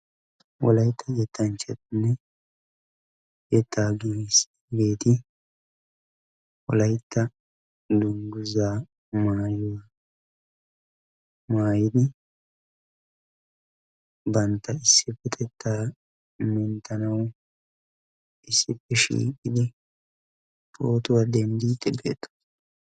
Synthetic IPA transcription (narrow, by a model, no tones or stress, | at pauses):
wɔ̰lɐjɪt̪ʰːɐjɛt̪ʰːɐnt͡ʃɛt̪ɪnːɛ | jɛt̪ʰːaːɡis | be̞ːt̪ɪ | wɔ̰lɐjɪt̪ʰːɐ | d̪ʊŋɡʊzaː | maːjɔw | maːjɪd̪ɪ | bɐnt̪ːɐɪsːɪpːɛt̪ʰɛt̪ːaː | mɛnt̪ʰɐnɐwʊ | ʔɪsːɪpːɛʃḭːkʼɪd̪ɪ | pʰoːt̪ʊwɐd̪ɛnd̪iːt̪ːɛbḛːt̪ːɐ̥